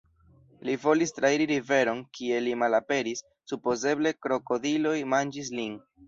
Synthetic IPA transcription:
livo̞listɾaiɾiɾive̞ɾo̞nkʰie̞limalape̞ɾisːupo̞ze̞ble̞kɾo̞ko̞dilo̞jmand͡ʒis̬lin

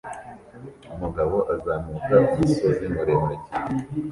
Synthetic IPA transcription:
umuɡaβo̞ʔazaːmukaumisozimuɾemeɟi

